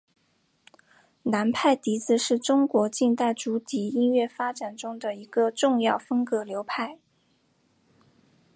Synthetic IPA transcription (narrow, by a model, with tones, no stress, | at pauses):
na˧˥npʰa˥˩ɪt̪i˧˥t͡sɹ̩˧ʂɻ̩˥˩ʈ͡ʂʊ˥ŋkwɔ˧˥t͡ɕi˥˧nt̪a˥˩ɪʈ͡ʂu˧˥t̪i˨˥i˥nɥɛ˥˩fa˥ʈ͡ʂa˨˩nʈ͡ʂʊ˥ŋd̪ə˨i˧˥ɡ̥ə˧ʈ͡ʂʊ˥˧ŋjɑ˥˩ʊfə˥ŋkɤ˧˥ljo˧˥ʊpʰa˥˩ɪ